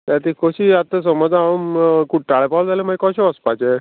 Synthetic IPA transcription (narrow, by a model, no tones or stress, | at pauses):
t̪at̪ikoɕiat̪əs̬ɔmɔd͡zamkuʈːaɭepawld͡zalemaɡekɔɕeəspat͡ɕe